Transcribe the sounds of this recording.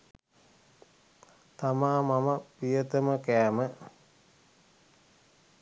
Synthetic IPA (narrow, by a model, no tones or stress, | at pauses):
t̪amaːmaməpijət̪əməkæːmə